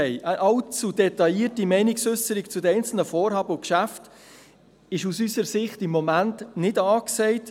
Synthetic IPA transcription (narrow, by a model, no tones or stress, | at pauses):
ɛɪʔəʔɑlt͡sudɛtɑiːtimɛɪnɪksʏsəɾikt͡sudəɛɪnt͡sl̩nəfoːɾhɑːbəʊkʃæft | ɪʃusysəɾsɪχtɪmːɔmæntnɪdɑːksɛɪt